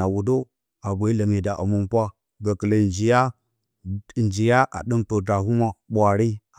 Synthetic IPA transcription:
a˨wu˨do˦ | a˨bʷa˨˦i˦la˨mi˨da˨ʔa̰˨mu˦mpʷa˦ | ɡa˨kə˨la˨nd͡ʒi˨ja˦˨ | nd͡ʒi˨ja˦ʔa̰˨ɗə˦mto˨da˨ɦu˦ma˨ɓʷa˨ɾi˦

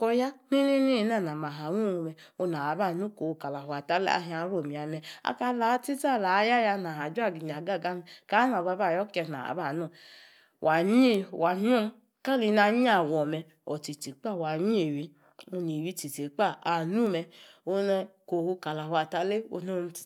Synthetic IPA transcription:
kɔ˧ja˦ni˦ni˦ni˦˧˦na˦˨na˨ma˨ɦa˨˦nu˦˨u˧mɛ˧ | o˧na˨a˨˦ba˦˨nu˦ko˨hu˧ka˨la˨hʷwa˨ta˦lḛ˦a̰˧ɦi˧˦a˧˦ɾo˦˨mi˨a˨mɛ˧a̰˧ka˧la˨˦ti˦ta˦˨la˨˦ja˦ja˧na˨ɦa˨d͡ʒu˦a˦˨ɡi˨ɲ˨a˨ɡa˦˨ɡa˦mi˨ka˨˦na˨ba˧˦ba˦˨jɔ˦kɛ˧na̰˨a̰˨ba˦˨nɔ˦˨ | wʔa˨ɲi˦e˦wa˨ɲi˦o˦m˦ | ka˦li˧na˧˦ɲi˦a˨wɔ˨mɛ˧ | ɔ˨ti˨ti˨˦k͡pa˦˨wa˨ɲi˦e˨wi˨˦ | o˧ni˨wi˧˦ti˨ti˨˦k͡pa˦˨a˨nu˦˨mɛ˧o˧nɛ˧ko˨hu˧ka˨la˨hwa˨ta˦le˦o̰˧no˦˧˨

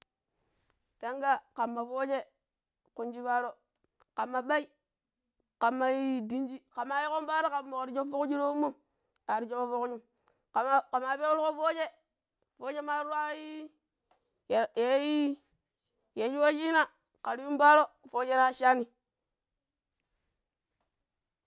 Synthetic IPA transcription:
ta˦ŋɡa˦ka˨mːa˨fo˦d͡ʒe˦ | ku˨nd͡ʒi˦ba˦ɾo˦ | ka˨mːa˨ɓa˦i˦ | ka˨mːa˨ji˦di˦nd͡ʒi˦ka˨mːa˨ji˦ko˦m˦ba˦ɾa˦ka˨mːo˨ɾi˨d͡ʒo˦fo˦kd͡ʒi˦ɾo˦u˦mːo˦m | a˨ɾi˨d͡ʒo˦ko˦fo˦kd͡ʒu˦m | ka˨ka˨ma˨be˦kɾi˦o˦fo˦d͡ʒe˦ | fo˦d͡ʒe˦ma˦ɾu˦wa˦i˦˨ | je˨˦i˦ | je˨˦ʃi˦wo˦ʃi˦na˦ | ka˨ɾi˦ju˦mba˦ɾo˦fo˦d͡ʒe˦ɾa˦ʃa˦ni˨

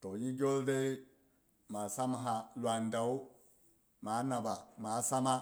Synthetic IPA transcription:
to˨ɲi˦ɡʲo˦lde˦ | ma˨sa˦m˦ɦa˨lwa˨nda˨u˦ | ma˨˦na˨ba˨ma˨˦sa˦ma˦

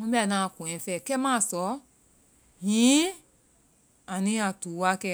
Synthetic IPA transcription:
mũ˦ba˦˨nã˨kũ˨ɛ̃˨˦fɛ˧˨kɛ˦mã˦˨sɔ˨˦ | jĩ˨˦ | a˨nĩ˦a˨tuː˨˦wa˧˦kɛ˧

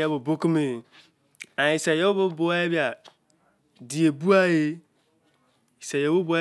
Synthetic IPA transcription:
e˦bo˨bo˦ki˦me˨ | a˨i˨sa˨jo˦o˦bo˦bo˨a˦je˦bi˦a˨ | di˨e˨bu˦a˦je˦ | i˨sa˨jo˨˦bu˦bu˦a˦

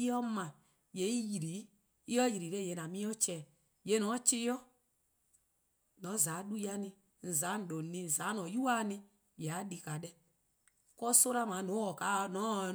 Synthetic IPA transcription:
i˦ɔ˦mã˨ | je˨˦i˦ji˨ɾi˨˦ | i˦ɔ˦ji˨ɾi˨ɾɛ˦je˨nã˨mĩ˦ɔ˦t͡ʃɛː˨ | je˨˦nɔ̃˨˦t͡ʃi˦jɔ˦ | nɔ̃˨˦˨za˨˦ɗu˦ja˧nĩ˧ | n̩˨za˨˦n̩˨do˨nĩ˧˨za˨˦nɔ̃˨˦ju˦a˦nĩ˧ | jɛ˨a˨˦di˧ka˨ɗɛ˦ | kɔ˦so˦la˦mã˨˦˨nũ˨˦ɔ˨ka˨˦˨nɔ̃˨˦

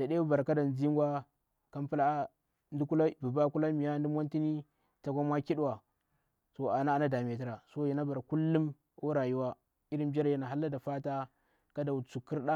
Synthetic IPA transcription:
d̥a˨ɗe˦u˦ba˨ɾka˦da˨n˨zi˦ŋ˦ɡʷa˦ | ka˦mpu˦la˦ | ndu˦ku˦la˦˨bu˨ba˦ku˦la˦mi˨ja˦ndu˦m˦a˦nti˦ni˦ | ta˨kʷa˦m˦a˦ki˦ɗwa˨ | so˨a˨na˦a˨na˦da˨m˨a˨ti˦ɾa˨so˦ji˨na˦ba˨ɾku˦lːu˦m | o˦ɾa˨ju˦wa˦ | i˦ɾi˦mbʲa˦ɾja˦na˨ɦa˦lːa˦da˨fa˦ta˦ | ka˦da˨u˨t͡su˨kːi˦ɾɗa˦

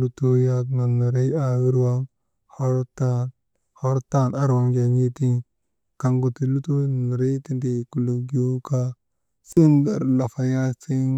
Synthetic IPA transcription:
lu˦to˦ja˦kna˨na˨ɾe˦ja˨wi˦ɾwa˦ŋ | ho˦ɾta˦n | ho˦ɾta˦˨na˦ɾwa˦ŋd͡ʒa˨ɲi˦ti˦n | ka˨ŋɡo˨ti˨lu˦to˦n˨na˨ɾe˦ti˦nde˨ku˨lu˨ɡi˦o˦ka˦ | si˦nda̰˨ɾla˨fa˨ja˦si˦

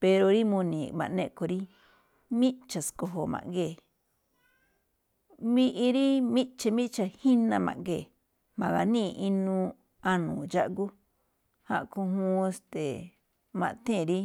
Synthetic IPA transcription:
pe˧ɾo˧ɾi˦mũ˧nĩ˨mã˨nẽ˦˧ko˨˧ɾi˦ | mĩ˦t͡ʃa˨sko˧ɦo˨mã̰˨ʔŋɡeː˦˨ | mĩ˦ʔi˧ɾi˦mĩ˦t͡ʃe˧mĩ˦ʔt͡ʃa˧hĩ˦nã˧mã̰˨ʔŋɡeː˨ | mã˨ɣa˨nĩ˦˨˧ʔi˧nũ˦˧ | a˧nũ˨d͡ʒa˦ʔɡu˦ | hã̰˧ʔkũ˧ɦũ˦e˧st̪e˨ | mã˧ʔt̪ẽ˦˨ɾi˦

